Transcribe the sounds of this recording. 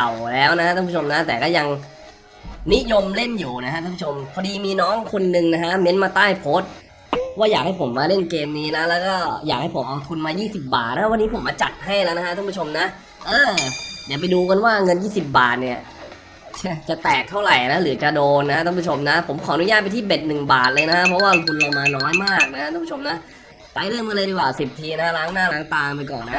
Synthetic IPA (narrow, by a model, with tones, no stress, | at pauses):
a˨˩wlɛː˦˥wna˦˥kʰa˥a˥˧pʰu˥t͡ɕʰo˧mna˦˥t̪ɛː˨˩kɔː˥˩ja˧ŋ | ni˦˥jo˧mle˥˩njuː˨˩na˦˥kʰa˥t̪ʰaː˥˩pʰu˥˩o˧mkʰɔ˧diː˧miː˧nɔː˦˥ŋkʰo˧nːɯ˧ŋna˦˥kʰa˦˥me˦˥nmaː˧t̪aː˥˩jpʰoː˦˥t̪̚ | waː˥˩jaː˨˩k̚ha˥˩jpʰo˩˦mːaː˧le˥˩nkeː˧mniː˦˥la˦˥lɛː˦˥wkɔː˥˩jaː˨˩k̚ha˥˩jpʰo˩˦mʔa˧wt̪ʰu˧nmaː˧jiː˥˩si˨˩p̚ba̰ː˨˩t̪̚na˦˥kʰa˥˩wa˧nːiː˦˥pʰo˩˦maː˧t͡ɕa˨˩t̪̚ha˥˩jlɛː˦˥wna˦˥kʰa˥t̪ʰːpʰu˥˩t͡ɕʰo˧mna˦˥ʔ | ʔɤː˧di˨˦˩p̬a˧jduː˧ka˧nwaː˥˩ŋɤ˧njiː˥˩si˨˩p̚ba̰ː˨˩t̪̚ni˧˩ɐ | t͡ɕʰt͡ɕa˨˩t̪ɛː˨˩k̚t̪ʰːa˥˩wɾa˨˩jna˦˥lɯ˩˦t͡ɕa˨˩doː˧nːa˦˥a˦˧a˥˧pʰu˥˩o˧mna˦˥pʰo˨˩˦mkʰɔː˩˦ʔnu˦jaː˥˩pa˧jt̪ʰiː˥˩be˨˩t̪̚nɯ˨˩ŋba̰ː˨˩t̪̚lɤː˧jna˦˥kʰa˦˥ʔpʰɾɔ˦˥waː˥˩kʰu˧nloː˧˩maː˧nɔː˦˥nmaː˥˩k̚na˦˥kʰa˥ʔ̪a˥˧˦pu˥˩o˧mna˦˥ʔ | ta˧jlɯ˥˩əŋma˧lɤː˧ɾjwaː˨˩si˨˩p̚t̪ʰiː˧na˦a˥ɾaː˦˥ŋnaː˥˩laː˦˥ŋt̪aː˧ŋp̬a˧jkɔ̰ː˨˩nːa˦˥